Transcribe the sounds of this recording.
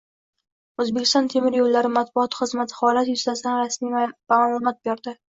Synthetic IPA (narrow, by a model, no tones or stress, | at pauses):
ɵzbekʲɪ̥st̪ɒnt̪ʰe̞mɪɾjolːaɾɪmat̪̚bʊɒt̪ʰχɨzmat̪ʰɪ̥hɒlat̪jʊslasɪd̪anɾasmimaalˠomɒt̪̚beɾd̪ɪ